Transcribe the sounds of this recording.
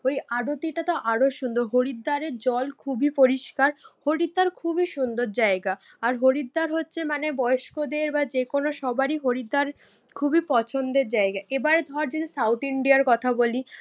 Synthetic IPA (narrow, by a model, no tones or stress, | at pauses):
ojaɖot̪iʈat̪oʔaɾoʃund̪oɾɦoɾid̪ːaɾeɾd͡ʑɔlkʰubipoɾiʃkaɾhoɾid̪ːaɾkʰubiʃund̪oɾd͡ʑaeɡaː | ɾɦoɾid̪ːaɾɦotːɕʰemanebɔjoʃkod̪eɾbad͡ʑekonoʃɔbaɾiɦoɾid̪ːaɾ | kʰubipɔt͡ɕʰond̪eɾd͡ʑaeɡaʔebaɾed̪ʱɔaɾd͡ʑod̪isawt̪iɳɖiaɾkɔt̪ʰaboli